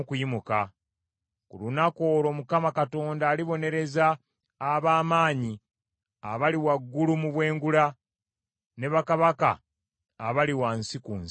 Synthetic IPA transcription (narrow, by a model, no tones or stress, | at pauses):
kujimuka | kulunako̞ːɾo̞mukamakato̞ːndaːliβo̞ne̞ɾe̞zaː | βaːmaːɲi | aβaliwaɡːulumuβwe̞ːŋɡuɾa | ne̞βakaβaka̰ː | βaliwansikun